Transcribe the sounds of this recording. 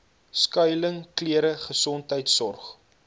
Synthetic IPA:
skœjləŋkliəɾəχəsɔntɦəjtsɔrχ

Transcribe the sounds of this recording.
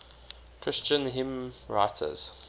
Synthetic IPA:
kʰɹɪst͡ʃə̃nɦɪ̃mɹa̰ɪtʰə̰z̥

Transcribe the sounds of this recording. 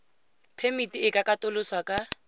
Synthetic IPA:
pʰemitʼiɪkʼakʼatʊlʊswakʼa

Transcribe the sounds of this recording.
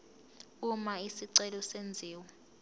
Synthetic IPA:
umaisiǀɛlɔsend͡zʱiːwɔ

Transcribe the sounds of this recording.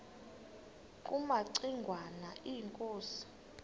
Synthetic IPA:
kʼumaǀiŋɡʱwanaʔiŋkʼoːsi̥

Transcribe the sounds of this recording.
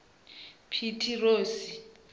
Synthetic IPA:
pʰitʰiroːsi

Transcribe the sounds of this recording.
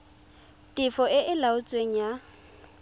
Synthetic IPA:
tʼɪfɔʔɪʔɪlaʊt͡sʼweŋ̩ja

